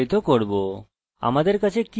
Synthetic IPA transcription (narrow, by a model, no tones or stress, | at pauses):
jt̪okoɾbo | a̰mad̪eɾkat͡ɕʰeki